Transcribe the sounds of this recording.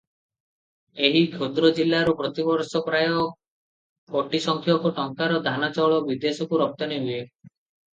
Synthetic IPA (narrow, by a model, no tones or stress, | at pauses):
eɦikʰjod̪ɾɔd͡ʒilːaɾupɾɔt̪ibɔɾsɔpɾajɔ | kɔʈisɔŋkʰjɔkuʈɔŋkaɾɔd̪ʱanat͡ʃɔɭɔbid̪esɔkuɾɔk̚t̪ɔniɦue